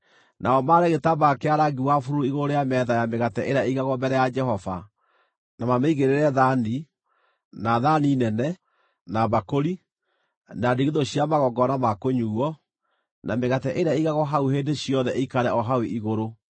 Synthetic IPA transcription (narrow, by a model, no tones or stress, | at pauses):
naɔmaɾɛɣetabakeaɾaɡiwafuɾooiɣoɾoɾejamɛðajameɣatɛʔeɾaeiɣaɣɔmɛɾɛjad͡ʒɛhɔva̰ | namameiɣeɾeɾɛðani | naðaninɛnɛ | naβakoɾi | nadiɣeðoɕiamaɣɔɡɔnamakoɲuɔ | nʔameɣatɛʔeɾaeiɣaɣɔɦauheːndeɕiɔðɛʔeikaɾɛɔɦaweʔiɣoɾo